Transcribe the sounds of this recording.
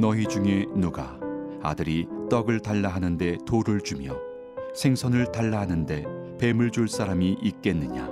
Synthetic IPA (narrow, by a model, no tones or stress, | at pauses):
nʌid͡ʑuŋe̞nuɡaa̰dɯɾit͈ʌɡɯɭtaɭːaɦanɯnde̞toɾɯɭt͡ɕumjʌ | sʰe̞ŋsʰʌnɯɭtaɭːaɦanɯnde̞ | pe̞mɯɭd͡ʑuɭs͈aɾamiʔik̚k͈e̞nːɯɲa